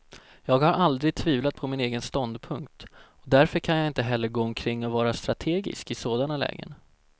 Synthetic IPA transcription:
jɑːɡhaɾʔald̪ɾɪɡ̚t̪ʰviːvlat̪̚pʰɔmɪneːɡənst̪ɔnd̪pʰɵŋkt̪ɔd̪æɾfœɾkʰanjaɪnt̪əɦɛlːəɾɡoːɔmkʰɾɪŋːɔvɑːɾast̪ɾat̪ʰeːɡɪ̰skɪsoːd̪analɛ̰ːɡə̰n

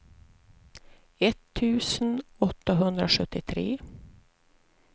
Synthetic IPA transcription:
ɛt̪ʰːʉ̟ːsnɔt̪ːaɦɵnd̪ɾaʂɵt̪ːɪt̪ʰɾḛː

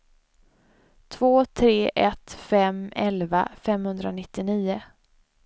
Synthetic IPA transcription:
t̪ʰvoːt̪ʰɾeːʔɛt̪fɛmɛlva̰fɛmhɵnd̪ɾanɪt̪ːɪniːʊ

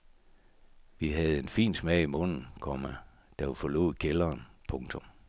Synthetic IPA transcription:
ʋiɦæð̞̩ˠe̝nfḭːnsmɛɪimɔ̽n̰n̩kʰɒmæ | d̥æufɒ̽lo̝̰ð̩̰ˠkʰelɐːnpʰɔ̽ŋt͡sʰɔ̽m

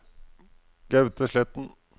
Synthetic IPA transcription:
ɡ̥ɑʉt̪əʂɭɛt̪n̩

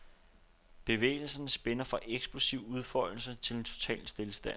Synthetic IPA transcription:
b̥e̝ʋḛːl̩sɐnəsb̥enɐfʁɑ̈ʔeɡ̥sb̥losiʊuð̞ˠfɒ̰̽l̩sət͡sʰe̝lent͡sʰo̝̥t͡sʰɛ̰ːlsd̥e̝ləsd̥æn

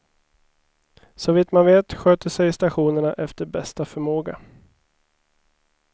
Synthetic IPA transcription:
sɔviːt̪manveːt̪ɧøːt̪əsɛjst̪aɧuːnəɳaʔɛft̪əɾbɛst̪afœɾmoːɡa̰

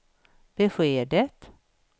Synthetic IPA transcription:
b̥əɧeːɖ̪ət̪

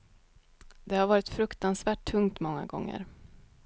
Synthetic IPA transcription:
d̪ɛhaɾvɑːɾɪt̪fɾɵkt̪ansvæːʈʰːɵŋt̪mɔŋːa̰ɡɔ̰ŋːə̰ɾ

